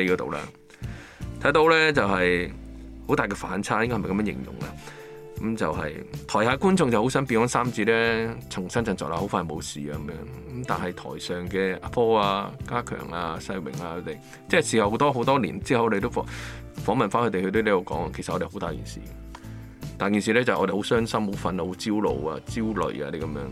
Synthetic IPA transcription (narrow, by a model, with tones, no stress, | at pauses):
e˨˧kɔ˧t̪o̰˨wla̰ː˧ | t̪ʰɐ˨˥jt̪o˧wlɛː˥t͡sɐ˨whɐ˨j | ho˨˥wt̪aː˨kɛː˧fa̰ː˨˥nt͡sʰaː˥jŋkɔ˥hm˨kɐ˧mjœː˥jɪ̰˨˩ŋjʊ̰˨˩ŋla̰˧ | kɐ˨˥mt͡sɐ˨wɦɐ̰˨jt̪ʰɔː˨˩jhaː˨˧kuː˥nt͡sʊ˧ŋt͡sɐ˨who˨˥wsɐ˥npiː˧kɔː˨˥nsaː˥mt͡siː˧tlɛː˥t͡sʰʊ˨˩ŋsɐ˥nt͡sɐ˧ŋt͡sɔ̰ː˨k̚aː˧ho˨˥wfaː˧jmo˨˧wsiː˨a˨˧˨mjœ̰ː˧˥ŋ | kmt̪a̰ː˨˩nhɐ˨jt̪ʰɔ̰ː˨˩jsœː˨˩ŋkɛː˧a˨˧pʰɔː˥aː˧kaː˥kʰœ̰ː˨˩ŋaː˧sɐ˧jwɪ̰˨˩ŋaː˧kʰɵ˧˥t̪e˨j | t͡sɛː˥siː˨hɐ˨who˨˥wt̪ɔː˥ɦo˨˥wt̪ɔː˥lḭː˨˩nt͡siː˥hɐ˨wɔ˧te˨t̪̬fɔ˧˥ | fɔː˨˥ŋmɐ˨nfa˥nkɵ˧te˨˩kɵ˧t̪̬ɵ˧˥leː˥jo˧wkɔ̰ː˨˥ŋa˧kʰsɐ˨ɔ˧te˨˩ho˨˥t̪aː˨jkḭː˨˩nsḭː˨˩ | t̪aː˨jkiː˨ns̬iː˨˧lɛ˥t͡sɐ˨hɔ̰˧de˨ho˨˧˥wsœː˥ŋsɐ˥mho˨˧˥wfɐ˧na˧ho˨˧˥t͡siː˥wlo̰˨˧wa̰ː˧t͡siː˥wlɵ̰˨ɥa̰ː˧d̪e˨˧˩kɐ˨˧mjœ̰ː˨˥ŋ